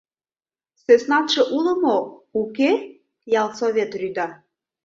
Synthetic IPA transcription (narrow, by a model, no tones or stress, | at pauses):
søsnɑt̪ʃeʔulə̆mouke | jɑlˠsoβʲet̪ryd̪ɑ